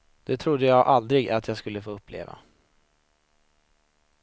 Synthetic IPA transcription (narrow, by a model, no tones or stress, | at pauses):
d̪̥ɛt̪ʰɾʊd̪ːəjɑːɡʔald̪ɾɪɡat̪ʰjɑːɡskɵlːəfoːɵpːlḛːva̰